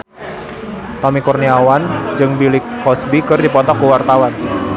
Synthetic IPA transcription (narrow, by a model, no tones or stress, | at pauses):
t̪ɔmikurniawand͡ʒɨŋbilɪkːɔsbikɨrdipɔt̪ɔkːuwart̪awan